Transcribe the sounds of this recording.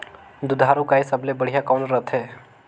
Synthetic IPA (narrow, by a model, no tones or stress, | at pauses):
d̪ʊd̪ʱaːɾũkaesəblebəɽ̤ijakɔːnɾət̪ʰɦɛː